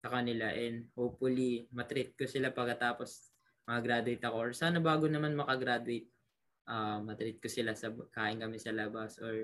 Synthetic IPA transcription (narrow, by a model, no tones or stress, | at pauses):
sɐkɐnɪlaʔɛnd̪̚howpfʊlimɐt̪ɾɪt̪̚kosɪlapɐɡkːɐt̪aːpo̞s | mɐkɐɡɾaːd̪ʊejt̪ɐko̞ʔoɹsaːnɐbaːɡonɐmanmɐkɐɡɾaːd̪ʊɛjt̪̚ | ʔaːmɐt̪ɾɪt̪̚kosɪlasɐkaːʔɪnkɐmɛsɐlabɐsʔoɹ